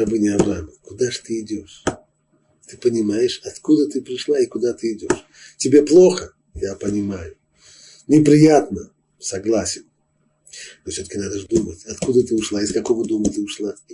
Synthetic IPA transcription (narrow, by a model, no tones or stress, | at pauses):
ɐbɨnʲɪɐvɾɐaməkʊd̪aʐt̪ɨɪdʲo̞ʂ | t̪ɨpənʲɪmajɪʂɐt̪kud̪ət̪ɨpɾʲɪʂlˠaɪkʊd̪at̪ɨɪdʲoʂ | tʲɪbʲe̞plˠo̞xə | japənʲɪmajʊ | nʲɪpɾʲɪjat̪nə | sɐɡlˠasʲɪn | nofsʲoəkʲɪnad̪əʐd̪umətʲɐt̪kud̪ət̪ɨʊʂlˠaɪskɐkovəd̪umət̪ɨʊʂlˠa